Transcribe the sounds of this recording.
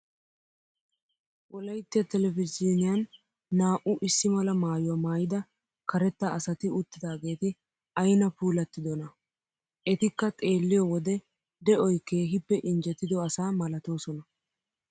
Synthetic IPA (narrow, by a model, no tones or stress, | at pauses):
wɔlɐjt̪ːɪjɐt̪ɛlɛfɪzinɪjɐnː | aːʔʊʔɪsːɪmɐlɐmaːjʊwamaːjɪd̪ɐ | kɐɾɛt̪ːɐɐsɐt̪ɪʊt̪ːɪd̪aːɡe̞ːt̪ɪ | ɐjnɐpuːlɐt̪ːɪd̪ɔnɐ | ʔɛt̪ɪkːɐt̪ʼe̞ːlːɪjɔwɔd̪ɛ | d̪ɛɔjkːeːɦɪpːɛʔɪnd͡ʒɛt̪ːɪd̪ɔɐsaːmɐlɐt̪o̞ːsɔnɐ